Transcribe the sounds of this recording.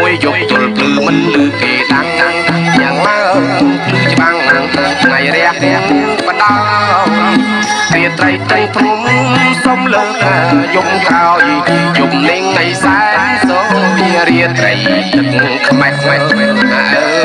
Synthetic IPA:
muəjjop̚t̪ʊəlp̪ɨːmɨnlɨːk̪eːɗaŋɗaŋɲaəŋmaəlɨːt͡ɕəɓaŋnaŋt̪ʰaŋt̪ʰŋajɾɛ̆əhtɛəŋniəŋpə̆ɗa | riət̪ɾəjt̪əjpʰrumsomləːnaːjokraɔjjumlɪŋnəjsaɛsɔiɾiət̪rə̰j | kʰmaɛkʰmaɛna̰

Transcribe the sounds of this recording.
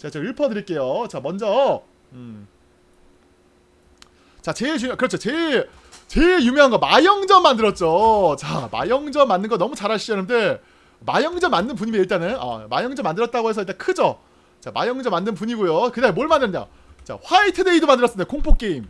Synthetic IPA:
t͡ɕat͡ɕeɯɭpʰʌdɯɾiɭk͈e̞jot͡ɕamʌnd͡ʑʌ | ɯ | t͡ɕat͡ɕejukɯɾʌt͡ɕʰot͡ɕe | t͡ɕe̞jumʲjʌŋɦanŋɡʌmajʌŋd͡ʑʌmːandɯɾʌt̚t͡ɕ͈ot͡ɕama̰jʌŋd͡ʑʌmːanːɯnɡʌnʌmut͡ɕaɾaɕ͈ʰid͡ʑʌnɯnde̞ | majʌŋd͡ʑʌmːanːɯnp̬uɲimiiɭt͈anɯna̰ma̰jʌŋd͡ʑʌmːandɯɾʌt̚t͈aɡoɦe̞sʰʌiɭt͈ankʰɯd͡ʑo | t͡ɕamajʌŋd͡ʑʌmːandɯnp̬uɲiɡojokɯdaɦemoɭmandɯɾɯnajo̰ | t͡ɕa̰ɸwaitʰɯde̞idomandɯɾʌs͈ɯndejokʰoŋpʰok͈e̞im

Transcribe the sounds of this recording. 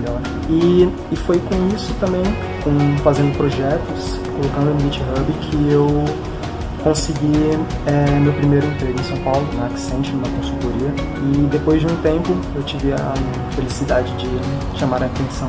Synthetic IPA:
ʎɔɾ | ɪ | ɪfojkõisʊ̥t̪ɐ̃mbẽj̃ | kõfazẽnd̪ʊpɾoʒɛt̪ʊs | kolokɐ̃nd̪ʊ̃bit͡ʃɪɦɐbikʰɪew | kõsɪɡi | ɛmewpɾimejɾʊẽnt̪ɾeɡʊẽsɐ̃w̃pawlʊnɐaksẽnt͡ʃɪũmɐkõsut̪oɾiɐ | ɪd̪epojzd͡ʒɪũt̪ẽmpʊ | ewt͡ʃivɪɐ̰ | felisid̪ad͡ʒɪd͡ʒɪ | ʃamaɾɐt̪ẽsɐ̃w̃

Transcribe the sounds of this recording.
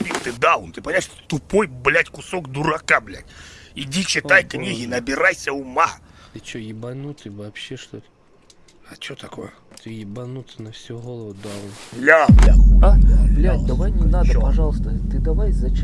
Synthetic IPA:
pʲilˠt̪ɨd̪aʊnt̪ɨpɐnʲaʂt̪o̥t̪ʊpojblʲætʲkʊsokd̪ʊɾɐkablʲæ̰tʲidʲit͡ɕɪt̪ajknʲiɣʲɪnɐbʲɪɾajsʲəʊmaɨt͡ɕojɪbɐnut̪ɨvɐpɕːeʂt̪ot̪ | ɐt͡ɕot̪ɐko̰jə | t̪ɨjɪbɐnut̪ɨnɐfsʲuɣolˠəvʊd̪awnlʲalʲaalʲd̪ɐvajnʲɪnad̪əopɐʐɑlˠst̪ət̪ɨd̪ɐvajzɐt͡ɕ

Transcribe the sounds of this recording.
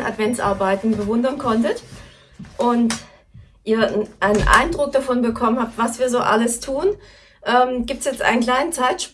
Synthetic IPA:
nʔa̰tv̥ɛnt͡sʔa̰ɐbaɪtn̩bəvʊndɐnkʰɔntət | ʔʊnt | ʔiːɐʔaɪnənʔa̰ɪndʁʊk̚d̥afɔnbəkʰɔmənhap̚tv̥asv̥iːɐzoːʔa̰ləstʰuːn | ʔɛːmɡiːp̚tsjɛt͡stʔa̰ɪnənkl̥aɪnənt͡saɪtʃ

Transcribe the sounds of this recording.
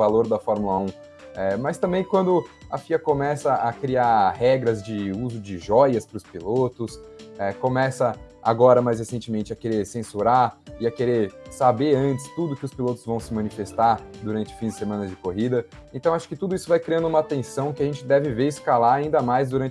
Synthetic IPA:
aloɾd̪ɐfɔɾmulɐũ | ɛmɐst̪ɐ̃mbẽj̃kwɐ̃nd̪ʊɐfiɐkomɛsɐakɾiaɾɦɛɡɾɐzd͡ʒɪuzʊd͡ʒɪʒɔjɐspɾʊspilot̪ʊsɛkõmɛsɐa̰ɡɔɾɐmajshesẽnt͡ʃɪmẽnt͡ʃɪɐkeɾeɾsẽsuɾaɾɪɐkeɾeɾsabeɾɐ̃nt͡ʃɪ̥st̪ud̪ʊkɪʊspilot̪ʊzvɐ̃w̃sɪmɐ̃nifest̪aɾd̪uɾɐ̃nt͡ʃɪʊfĩd͡ʒɪ̥semɐ̃nɐzd͡ʒɪkoɦid̪ɐẽt̪ɐ̃w̃aʃʊ̥kɪt̪ud̪ʊisʊvajkɾiɐ̃nd̪ʊũmɐat̪ẽsɐ̃w̃kɪɐʒẽnt͡ʃɪd̪ɛvɪveɾɪskalaɾaĩnd̪ɐmajzd̪uɾɐ̃nt͡ʃ

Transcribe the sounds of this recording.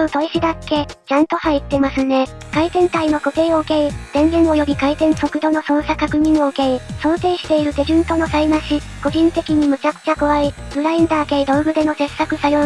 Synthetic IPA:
oɯ̟t̪o̞iɕid̪akːe̞t͡ɕãnt̪o̞hait̪ːe̞masɨne̞kait̪ẽ̞nt̪aino̞ko̞t̪e̞ːo̞ɯ̟ke̞iz̥ẽ̞ŋɡẽ̞ɰ̃o̞jo̞bʲikait̪ẽ̞ɰ̃so̞kɯ̟d̪o̞no̞sõ̞ɰsakakɯ̟ɲ̟ĩɰ̃o̞ɯ̟ke̞iso̞ːt̪e̞ːɕi̥t̪e̞iɾɯ̟d̪e̞ʑɯ̃nt̪o̞no̞sainaɕi | ko̞ʑĩnt̪e̞kʲiɲ̟imɯ̟t͡ɕakɯ̟̥t͡ɕako̞βai | bɯ̟ɾaĩnd̪aːked̪o̞bɯ̟d̪e̞no̞se̞sːakɯ̟sajo

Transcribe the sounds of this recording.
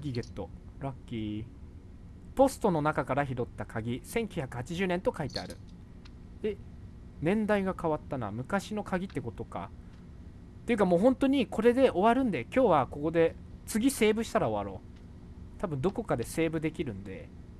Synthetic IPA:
ɡʲiɡet̪ːo̞̰ | ɾakʲːiː | po̞sɨ̥t̪o̞no̞nakakaɾaçiɾo̞t̪ːakʰaɡʲisẽ̞ŋkʲjɨçʲjakɯ̟hat͡ɕiʑɨːnẽ̞nt̪o̞kait̪e̞a̰ɾɯ̟̰ | d̪̥e̞ | nẽ̞nd̪aiɡakaβat̪ːana̰mɯ̟kaɕino̞kaɡʲit̪ːe̞ko̞t̪o̞ka̰ | t̪eiɯ̟kamo̞ːɦõ̞nt̪o̞ɲ̟ikʰo̞ɾe̞d̪e̞ʔo̞βaɾɯ̟̃nd̪e̞kʲo̞ːβako̞ko̞d̪e̞t͡sɨɡʲise̞ːbɯ̟ɕi̥t̪aɾao̞βaɾo̞̰ː | t̪abɯ̟nd̪o̞ko̞kad̪e̞se̞ːbɯ̟d̪e̞kʲiɾɯ̟̃nd̪e̞̰

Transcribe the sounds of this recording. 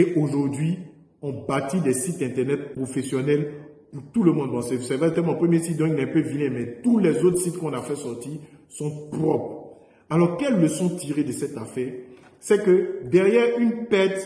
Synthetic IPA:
eʔoʒuʁd̪ɥi | ɔ̃bat̪id̪ɛsit̪ɛ̃t̪ɛʁnɛt̪̚pχofesjɔnɛl | puʁt̪uləmɔ̃d̪bɔ̃sɛsɛvaɛt̪ɛmɔ̃pχəmjesit̪̚d̪ɔ̃klɛ̃pøvilɛ̃mɛt̪ulɛzot̪χsit̪kɔ̃nafɛsɔʁt̪isɔ̃pʁɔpχ | alɔʁkɛlːəsɔ̃t̪iʁed̪əsɛt̪afɛːʁ | sɛkəd̪ɛʁjɛʁynpɛt̪

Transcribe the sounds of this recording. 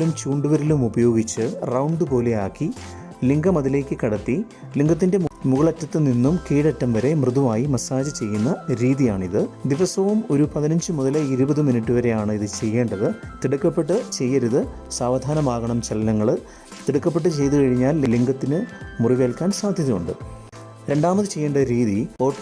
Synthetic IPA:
lumt͡ɕuːɳɖuʋɐɾilumubɐjo̞ːɡit͡ɕːɨrɐwɳɖɨpo̞ːleaːkːi | liŋɡɐmɐðile̞ːkʲːɨkɐɽɐt̪ːi | liŋɡɐt̪̬ːinde̞muɣɐɭɐtːɐt̪ːɨninːumkiːɽɐtːɐmʋɐɾe̞mrɨðumaːjimɐsaːd͡ʑɨt͡ɕe̞jːunːɐɾiːðijaːɳiðɨd̪iʋɐsɐʋɐmo̞ɾupɐðinɐɲd͡ʑɨmuðɐlɐiɾubɐðɨminiʈːuʋɐɾe̞jaːɳɨiðɨt͡ɕe̞jːe̞ːɳɖɐðɨt̪iɽukːɐpːe̞ʈːɨt͡ɕe̞jːɐɾuðɨ | saːʋd̪ʱaːnɐmaːɣɐɳɐmt͡ɕelɐnɐŋːɐɭ | t̪iɽukːɐpːeʈːɨt͡ɕe̞jt̪ukɐɻiɲːaːlliŋɡɐt̪ːinɨmuriʋeːlkaːnsaːd̪ʱjɐðijuɳɖɨ | ɾe̞ɳɖaːmɐðɨt͡ɕe̞jːe̞ːɳɖɐɨɾiːðio̞ːʈ

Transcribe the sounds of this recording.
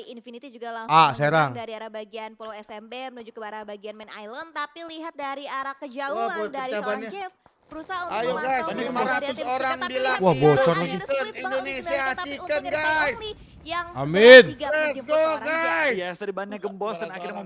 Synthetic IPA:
infinit̪id͡ʒuɡalaŋaseɾaŋdaɾiaɾabaɡianpoloɛsɛmbemənud͡ʒukəbaɾahbaɡianmɛna̰jlant̪apiliɦat̪̚daɾiaɾakːəd͡ʒauaboit̪abana | bɾusaajoɡajsimaɾat̪ʊsoɾaŋbilawahbot͡ʃɔrat͡ʃikənnindonesiat͡ʃikənɡajs | jaŋaminɛɡoɡassɾibanaɡəmbɔsənaki

